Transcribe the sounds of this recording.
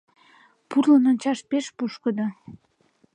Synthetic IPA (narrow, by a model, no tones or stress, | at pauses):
purlənonʲt͡ɕɑʃpeʃpuʃkəd̪o